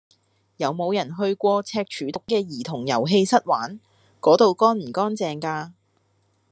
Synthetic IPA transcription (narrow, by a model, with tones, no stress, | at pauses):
jɐ˨˧wmo˨˧wjɐ˨˩nɦɵ˧ɥkʷɔː˧t͡sʰɛː˧k̚t͡ʃʰyː˨˥t̪ʊ˨˥kːɛː˧jiː˨˩t̪ʰʊ˨˩ŋjɐ̰˨˩wɦe˧jsɐ˥t̚waː˨˥n | kɔː˨˥t̪o˨wkɔː˥nm̩˨˩kɔː˥nt͡sɛː˨ŋkaː˧